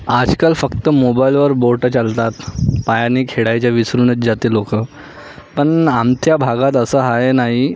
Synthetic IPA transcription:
ad͡zkalfəkt̪əmobailʋəɾboɾʈt͡ɕalt̪at̪pajanikʰeɽajt͡ɕjaʋisɾuːnət͡sd͡zat̪iːlokə | pəɳamt̪ʰjabʱaɡat̪̬əsəːɦajenaɦi

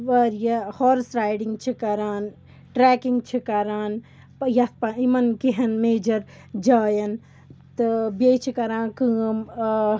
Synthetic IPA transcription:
ʋɐɾjɐhoɾsɾaːjɖiŋɡt͡ʃʰikɐɾaːn | ʈɾɛːkiŋɡt͡ʃʰikɐɾaːn | pjɐt̪̚paimɐnkiɦɐnmeːd͡ʒɐɾ | d͡ʒaːjɐn | t̪ɨbʲet͡ʃʰikɐɾãːkɨːm

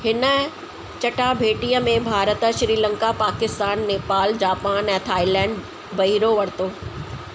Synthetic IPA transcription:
hɪnə | t͡ʃɐʈabʱeːʈijə̃mẽbʱaːɾət̪aʃɾiːlə̃ŋkapaːkɪst̪aːnːeːpaːld͡ʒaːpaːnɛ̃ːt̪ʰaːilɛ̃ːɳɖ | bɐɦiɾoʋɐɽt̪oː

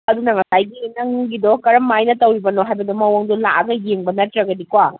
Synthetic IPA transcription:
ɐdunɐŋɐsajɡinɐŋɡidɔkɐɾɐmːajnɐtɐwɾibɐnɔɦajbɐdɔmɐwɐŋdɔla̰ʔɐɡɐjeŋbɐnɐtɾɐɡɐdikwa

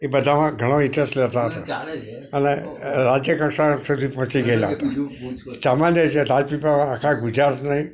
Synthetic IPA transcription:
ebəd̪ʱaʋãɡʱəɽ̃oɪ̃ɳʈɾesʈlet̪aət̪a̰ | əneɾad͡ʒjəkəkʂasud̪ʱĩpət͡ʃʰiɡela̰ɦt̪asamanjət͡ʃeɾad͡ʒpipamãːkʰaɡud͡ʒɾaɾt̪nəi

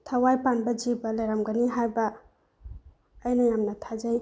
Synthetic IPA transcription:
tʰawajpanbɐd͡ʒibalajɾamɡaniɦajbɐ | jnajamnatʰad͡ʒaj

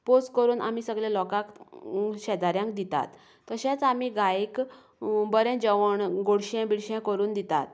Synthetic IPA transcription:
poskəɾuːnʔa̰m̤iːsəɡlẽlɔkak | ɕɛd͡z̪aɾjãŋkd̪it̪a̰t̪ː | əɕẽt͡sam̤iːɡaek | bəɾɛ̃d͡ʑəʋəɳɡoɽɕɛ̃biɽɕɛ̃kəɾuːnd̪it̪a̰t̪

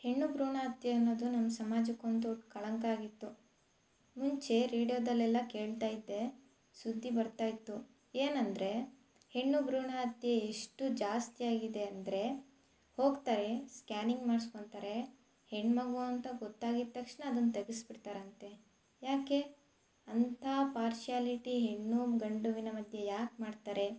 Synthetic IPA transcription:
he̞ɳːubɾuːnaːɐt̪jeɐnːo̞ːd̪unɐmːɐsɐmaːd͡ʒɐkːond̪oʈkɐɭɐŋkaːɡit̪ːu | muɲt͡ʃe̞ɾeːɽijod̪ɐlːɛlːɐke̞ːɭt̪aːjid̪ːe̞ | sud̪ːibɐɾt̪aːjit̪ːu | e̞ːnɐnd̪ɾe̞ | he̞ɳːubɾuːnaːɐt̪jeːʂʈud͡ʒaːst̪ijaːɡid̪e̞ɐnd̪ɾe̞ | ho̞ːɡt̪aːɾe̞skʲaːniŋɡmaːɽs̬koɳt̪aːɾe̞ | heɳːmɐɡoɐnt̪ɐɡɔt̪ːaːɡit̪ːɐkʂnɐːd̪ɐnːut̪eɡesbiɽt̪aːɾɐnt̪e̞ | jaːke̞ | ɐnt̪ʰapaːɾʃijaːliʈiɦe̞ɳːuɡɐɳɖuʋinɐmɐd̪ʱjejaːkmaːɖt̪aːɾe̞

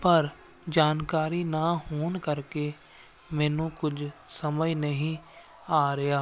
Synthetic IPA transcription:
pəɾ | d͡ʒaːnkaːɾinaɦoːnkəɾke | mɛ̃ːnũkʊd͡ʒsəməjnəɦĩ | aːɾɪjaː

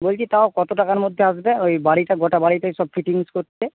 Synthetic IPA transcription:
bolkitaʊkɔtotakaɹmod̪ʱːɛas̬bɛojbaɹitaɡɔtabaɹitaisɔb̚pʰiʈiŋskotsɛ

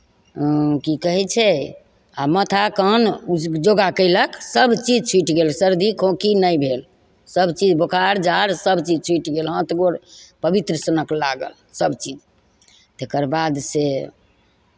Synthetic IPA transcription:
kikəɦɛt͡ʃʰɛ | amət̪ʰakənd͡ʒoɡakəɪləksəbt͡ʃid͡ʒt͡ʃʰuʈɡelsəɾd̪ikʰõkinəjbʱel | səbt͡ʃid͡ʒbokʰaɾd͡ʒaɾsəbt͡ʃid͡ʒt͡ʃʰuʈɡelɦə̃t̪ɡoɾpəbit̪ɾəsənəklaɡə̰l | səbt͡ʃid͡ʒ | t̪ekəɾbad̪se

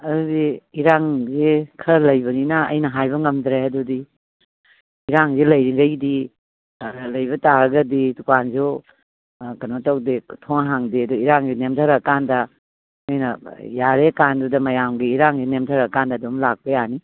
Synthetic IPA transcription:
ɐdudiːɾaŋzikʰɐlɐjbɐninɐɐ̰jnɐɦajbɐŋɐmd̪ɾeɐdudi | iɾaŋzelɐjɾiŋɡɐjdi | lɐjbɐtaɾɐɡɐdidukʰanzu | kɐntaw̚ditʰoŋaɦaŋdiɐduiɾaŋzinemtʰɐɾakandɐ | ojnɐjaɾekandudɐmɐjamɡiiɾaŋzinemtʰɐɾɐkandɐːdumlak̚pɐjani

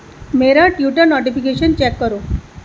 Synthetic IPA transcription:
meɾaʈjuʈəɾnɔʈifikeɕənt͡ɕɛkːəɾo

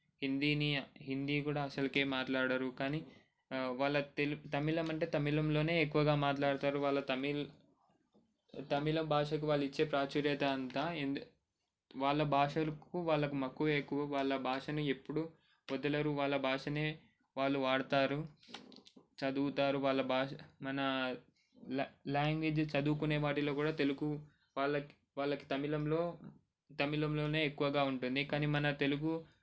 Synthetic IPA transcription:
hind̪iːniɦind̪iːkuːɽaːɐsɐlɐke̞ːmaːʈlaːɽɐɾukaːniː | ʋaːɭːɐt̪elt̪ɐmilɐmɐɳʈe̞ːt̪ɐmilɐmlo̞ːne̞ːekːuʋɐɡaːmaːʈlaːɽɐt̪aːɾuʋaːɭːɐt̪ɐmil | t̪ɐmilɐmbʱaːʂɐk̬uʋaːɭːɐit͡ʃːe̞ːpɾaːt͡ʃuɾɛːt̪aːɐnt̪aːend̪ | ʋaːɭːɐbʱaːʂɐlɐkuʋaːɭːɐkumɐkːuʋɐekːuʋɐʋaːɭːɐbʱaːʂɐnue̞pːuɽu | ʋɐd̪ɐlɐɾuʋaːɭːɐbʱaːʂɐne̞ː | ʋaːɭːuʋaːɽɐt̪aːɾu | t͡ʃɐd̪uːt̪aːɾuʋaːɭːɐbʱaːɐmɐnɐ | laːŋɡʋeːd͡ʒt͡ʃɐd̪uːkune̞ːʋaːʈilo̞ːkuːɽaːt̪e̞luɡu | ʋaːɭːɐ | ʋaːɭːɐki̥t̪ɐmilɐmlo̞ː | t̪ɐmilɐmlo̞ːne̞ːekːuʋɐɡaːuɳʈund̪ikaːniːmɐnɐt̪e̞luɡu

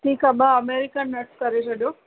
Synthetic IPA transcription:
ʈiːkɐbaɐmeːɾikɐnːɐʈskɐɾeɾɐɖu

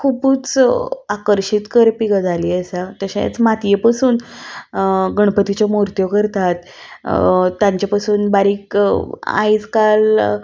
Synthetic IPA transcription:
kʰuːpuːt͡sakəɾɕit̪kəɾpiɡəd͡zʱaliːəsat̪əɕa̰t͡smat̪jepasuːn | ɡəɳ̃pət̪it͡ɕjɔmoɾt̪jɔkəɾt̪at̪ | jãɲt͡ɕjapasuːnbaɾiːk | a̰it͡skal

